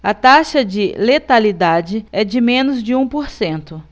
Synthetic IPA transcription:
ɐt̪aʃɐd͡ʒɪlet̪alid̪ad͡ʒɪɛd͡ʒɪmẽnʊzd͡ʒɪũpoɾsẽnt̪ʊ

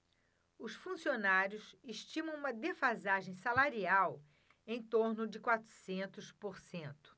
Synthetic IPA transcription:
ʊsfũsionaɾjʊseʃt͡ʃĩmɐ̃w̃ũmɐd̪efazaʒẽj̃salaɾiaw | ẽj̃t̪oɾnʊd͡ʒɪkwat̪ɾʊ̥sẽnt̪ʊspoɾsẽnt̪ʊ̥

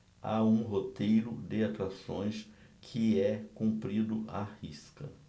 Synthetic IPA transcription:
a̰ũɦot̪ejɾʊd̪ɪat̪uɾasõ̰j̃s | kʰɪɛkũmpɾid̪ʊʔahiskɐ

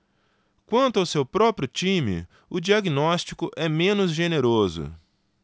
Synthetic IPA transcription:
kwɐ̃nt̪ʊawsewpɾɔpɾjʊt͡ʃĩmɪ̰ | ʊd͡ʒiaɡinɔst͡ʃikʊʔɛmẽnʊzʒeneɾozʊ̰

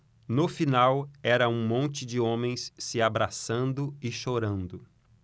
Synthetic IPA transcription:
nʊfinawɛɾɐũmõnt͡ʃɪd͡ʒɪõmẽj̃sːɪabɾasɐ̃nd̪ʊɪʃoɾɐ̃nd̪ʊ

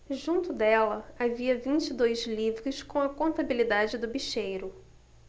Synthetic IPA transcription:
ʒũnt̪ʊd̪ɛlɐaviɐvĩnt͡ʃid̪ojzlivɾʊskõw̃ɐkõnt̪abilid̪ad͡ʒɪd̪ʊbiʃejɾʊ

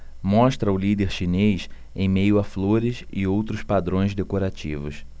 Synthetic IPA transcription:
mɔʃt̪ɾɐʊlid̪eɾʃinejs | ḛ̃j̃mejʊafloɾɪsɪ̰owt̪ɾʊspad̪ɾõj̃zd̪ekoɾat͡ʃḭvʊ̰s

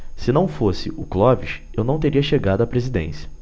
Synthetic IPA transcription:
sɪnɐ̃w̃fosɪʔʊklɔviʃ | ewnɐ̃w̃t̪eɾiɐʃeɡad̪ʊɐpɾezid̪ḛ̃sjɐ

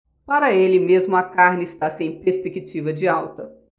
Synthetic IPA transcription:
paɾɐelɪmezmʊɐkaɾnɪɪst̪asẽj̃peɾspekit͡ʃivɐd͡ʒɪawt̪ɐ

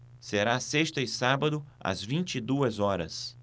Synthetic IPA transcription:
seɾaseʃt̪ɐɪsabɐd̪ʊɐ̰zvĩnt͡ʃid̪uɐzɔɾɐ̰s

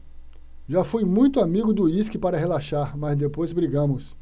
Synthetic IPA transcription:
ʒafujmũj̃t̪ʊamiɡʊd̪ʊiskɪpaɾɐɦelaʃaɾmɐzd̪epojzbɾiɡɐ̃mʊs

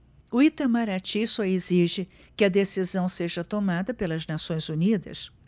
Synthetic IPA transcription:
ʊit̪ɐmaɾat͡ʃisɔeziʒɪ | kɪɐd̪esizɐ̃w̃seʒɐt̪omad̪ɐpelɐznasõj̃zunid̪ɐ̰s

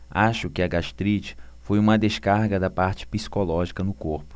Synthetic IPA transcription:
aʃʊkɪɐɡaʃt̪ɾit͡ʃfojũmɐd̪eskaɾɡɐd̪ɐpaɾt͡ʃɪ̥pisi̥kolɔʒikɐnʊkoɾpʊ̥

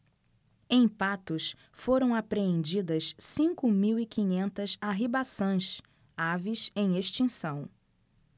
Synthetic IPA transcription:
ẽj̃pat̪ʊs | foɾɐ̃w̃apɾeẽnd͡ʒid̪ɐssĩŋkʊmiwikiɲẽnt̪ɐsaɦibasɐ̃j̃s | avisẽj̃eʃt͡ʃĩsɐ̃w̃

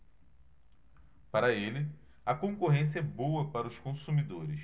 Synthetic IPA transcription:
paɾɐelɪ | ɐkõkoɦẽs̬jɐɛbowɐpaɾɐʊskõsumid̪oɾɪs

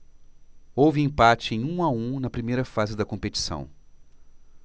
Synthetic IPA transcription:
owvɪẽpat͡ʃɪẽj̃ũaũnɐpɾimejɾɐfazɪd̪ɐkõpet͡ʃi̥sɐ̰̃w̃

